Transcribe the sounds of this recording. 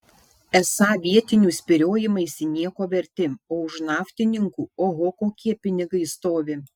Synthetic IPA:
ɛsɑːʋʲiɛt̪ʲɪnʲuːsʲpʲɪɾʲoːjɪmɐɪsʲɪnʲiɛkoːʋʲɛɾʲt̪ʲɪoːʊʃnɑːft̪ʲɪnʲɪŋkuːoːɦoːkoːkʲiɛpʲɪnʲɪɡɐɪst̪oːʋʲɪ

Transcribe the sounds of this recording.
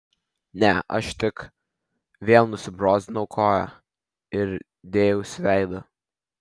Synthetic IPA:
nʲɛʔɐ̰ʃt̪ʲɪk | ʋʲeːlˠnʊsʲɪbɾoːzʲɪnɐʊkʰoːjɛ | ɪɾ | d̪ʲeːjɛʊsʲʋʲæɪd̪ʊ

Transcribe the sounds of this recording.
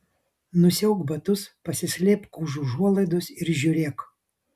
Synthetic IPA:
nʊsʲɛʊɡbɐt̪ʊspɐsʲɪsʲlʲeːpkuːʒuːʒuɔlˠɐɪd̪ʊsɪɾʒʲʊɾʲeːk

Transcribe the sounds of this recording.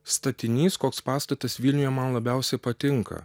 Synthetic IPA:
st̪ɐt̪ʲɪnʲiːskoːkspɑːst̪ɐt̪ɐsʋʲiːlʲnʲʊjɛmɐnlˠɐbʲɛʊsʲɛpɐt̪ʲɪŋkɐ̰

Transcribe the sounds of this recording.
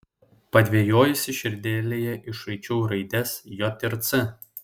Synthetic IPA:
pɐd̪ʲʋʲiɛjoːjʊsʲɪʃʲɪɾʲd̪ʲeːlʲeːjɛʔɪʃɐɪt͡ʃʲuːɾɐɪd̪ʲɛsjɔt̪ʲɪɾt̪sɪ

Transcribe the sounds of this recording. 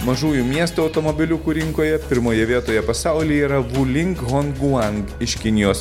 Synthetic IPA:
mɐʒuːjuːmʲiɛst̪uɐʊt̪omobʲɪlʲʊkuːɾʲɪŋkoːjɛpʲɪɾmoːjɛʋʲiɛt̪oːjɛpɐsaˑʊlʲiːiːɾɐʋulʲɪŋkɣɔnɡuɐŋɡɪʃkʲɪnʲɪjoːs

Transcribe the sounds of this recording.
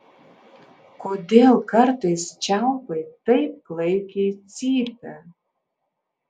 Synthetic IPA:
kʰodelˠkʰɐrtʰɐjst͡ʃʰawpɐjtːɐjp̚klˠejkʲejt͡siːp̚ʰʲa

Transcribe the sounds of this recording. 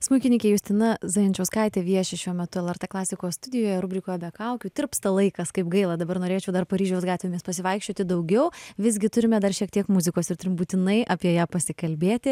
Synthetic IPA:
smʊɪkʲɪnʲɪkʲeːjʊsʲt̪ʲɪnɐzɐɪnʲt͡ʃʲɛʊskɐɪt̪ʲeːʋʲiɛʃʲɪʃʲuɔmʲɛt̪ʊɛlˠɛrt̪ɛːklˠɑːsʲɪkoːst̪ʊd̪ʲɪjoːjɛɾʊbʲɾʲɪkoːjɛbʲɛkɐʊkʲuːt̪ʲɪɾpst̪ɐlˠɐɪkɐskɐɪpɡɐɪlˠɐd̪ɐbɐɾnoːɾʲeːt͡ʃʲɛʊd̪ɐɾrpɐɾʲiːʒʲɛʊsɡɑːt̪ʲʋʲeːmʲeːspɐsʲɪʋɐɪkʃʲt͡ʃʲoːt̪ʲɪd̪ɐʊɡʲɛʊʋʲɪzʲɡʲɪt̪ʊɾʲɪmʲɛd̪ɐrʃʲiɛk̚t̪ʲiɛkmʊzʲɪkoːsɪɾtʊɾʲɪmbuːt̪ʲɪnɐɪʔɐpʲiɛjæːpɐsʲɪkɐlʲbʲeːt̪ʲɪ

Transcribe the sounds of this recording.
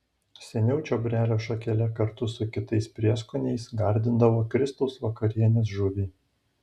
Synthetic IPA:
sʲɛnʲɛʊt͡ʃʲoːbʲɾʲæːlʲoːʃɐkʲɛlʲɛkɐɾt̪ʊsʊkʲɪt̪ɐɪspʲɾʲiɛskʊnʲɛɪsɡɐɾʲd̪ʲɪnd̪ɐʋoːkɾʲɪst̪ɐʊsʋɐkɐɾʲiɛnʲeːs̬ʒʊʋʲiː

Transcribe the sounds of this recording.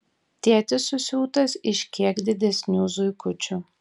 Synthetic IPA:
t̪ʲiɛt̪ʲɪsʊsʲuːt̪ɐsɪʃʲkʲiɛkd̪ʲɪd̪ʲɛsʲnʲuːzʊɪkʊt͡ʃʲʊ

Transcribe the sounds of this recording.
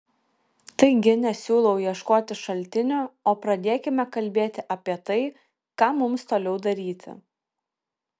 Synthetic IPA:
t̪ɐɪɡʲɪnʲɛsʲuːlˠɐʊjiɛʃkoːt̪ʲɪʃɐlʲt̪ʲɪnʲʊoːpɾɐd̪ʲeːkʲɪmʲɛkɐlʲbʲeːt̪ʲɪʔɐpʲiɛt̪ɐɪ | kɑːmʊmst̪oːlʲɛʊd̪ɐɾʲiːt̪ʲɪ̰

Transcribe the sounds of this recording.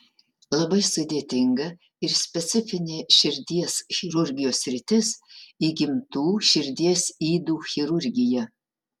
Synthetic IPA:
lˠɐbɐɪsʊd̪ʲeːt̪ʲɪŋɡɐ | ɪɾsʲpʲɛt̪sʲɪfʲɪnʲeʃʲɪɾʲd̪ʲiɛsxʲɪɾʊɾʲɡʲɪjoːsʲːɾʲɪt̪ʲɪsiɡʲɪmt̪uːʃʲɪɾʲd̪ʲiɛsiːd̪uːxʲɪɾʊɾʲɡʲɪjɛ

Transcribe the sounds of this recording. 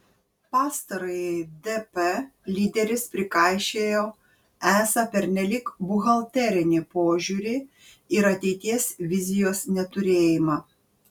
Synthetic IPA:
pɑːst̪ɐɾɐɪd̪ɛpɛlʲiːd̪ʲɛɾʲɪspʲɾʲɪkɑˑɪʃʲeːjoː | æːsɐpʲɛɾʲnʲɛlʲiːkbʊɣɐlʲˠt̪ʲɛɾʲɪnʲɪpoːʒʲuːɾʲiː | ɪɾɐt̪ʲɛɪt̪ʲiɛsʋʲɪzʲɪjoːsnʲɛt̪ʊɾʲeːjɪmɑː

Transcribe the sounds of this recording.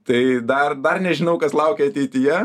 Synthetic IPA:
t̪ɐɪd̪ɐrd̪ɐrnʲɛʒʲɪnɐʊkɐslˠɐʊkʲɛɐt̪ʲɛɪt̪ʲɪjɛ

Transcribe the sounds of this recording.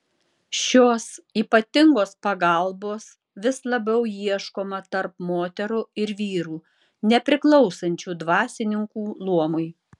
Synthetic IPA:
ʃʲoːsiːpɐt̪ʲɪŋɡoːspɐɡɐlˠboːs | ʋʲɪslˠɐbʲɛʊjiɛʃkoːmɐt̪ɐɾpmoːt̪ʲɛɾʊɪɾʋʲiːɾuː | nʲɛpʲɾʲɪklˠɔʊsɐnʲt͡ʃʲuːd̪ʋɑːsʲɪnʲɪŋkuːlˠuɔmʊɪ

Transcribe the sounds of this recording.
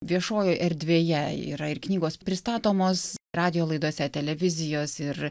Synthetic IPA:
ʋʲiɛʃoːjoːʔɛɾʲd̪ʲʋʲeːjɛḭːɾɐɪrknʲiːɡoːspʲɾʲɪst̪ɑːt̪oːmoːsrɑːd̪ʲɪjoːlˠɐɪd̪uɔsʲɛt̪ʲɛlʲɛʋʲɪzʲɪjoːsɪr

